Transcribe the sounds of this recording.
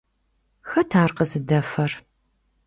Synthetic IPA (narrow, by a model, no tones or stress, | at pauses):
xɐtʰaːrqəzɨdɐfɐr